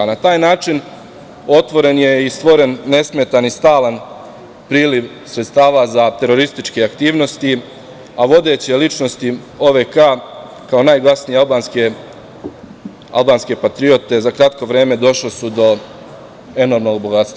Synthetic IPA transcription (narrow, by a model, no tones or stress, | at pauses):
nat̪aːjnaːt͡ʃin | o̞t̪ʋo̞ɾe̞nje̞ist̪ʋo̞ɾe̞nːe̞smet̪anist̪aːlan | pɾiːliʋ | sɾet̪st̪aːʋazat̪e̞ɾo̞ɾist̪it͡ʃkeakt̪iːʋno̞st̪i | aʋo̞d̪e̞t͡ɕelit͡ʃno̞st̪i | o̞ʋekaː | kao̞naːjɡlˠasnialˠbaːnske | a̰lˠbaːnske̞pat̪ɾio̞t̪e̞zakɾat̪ko̞ʋɾe̞ːme̞d̪o̞ʃlosud̪o̞ | e̞no̞ɾmno̞ɡ̚boɡat̪st̪a